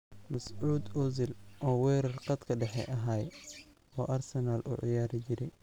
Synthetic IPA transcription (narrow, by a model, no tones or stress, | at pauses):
mɐsʕuːd̪ʊzɪlʔɔːwɛːɾɐrqɑd̪kʰɐɖɛħɛ̰ʔɐɦaːj | ɔːʔɐrsɛnaːlʔʊ̰ʕɪjaːɾɪt͡ʃɪɾɛj